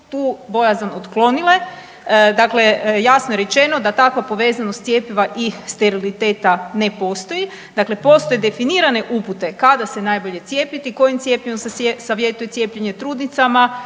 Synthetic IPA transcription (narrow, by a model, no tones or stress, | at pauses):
t̪uːbo̞jazanot̪klo̞nile̞ | d̪akle̞jasnojeɾe̞t͡ʃe̞no̞d̪at̪akʋapo̞ʋe̞ːzanost̪sje̞ːpiʋaʔist̪eɾilit̪e̞ːt̪ane̞po̞st̪o̞ji | d̪akle̞po̞st̪o̞jed̪e̞finiːɾane̞ʔuput̪e̞kad̪ase̞najbo̞ʎe̞t̪sje̞ːpit̪iko̞jimt̪je̞piʋamseesaʋje̞t̪uje̞t̪sje̞ːpʎeɲe̞t̪ɾuːd̪nit̪sama